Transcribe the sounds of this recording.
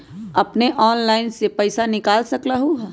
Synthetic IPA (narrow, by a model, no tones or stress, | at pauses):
ɐpneʔɔːnlaːɪnsepɐɪsanɪkaːlsɐklaɦoɦ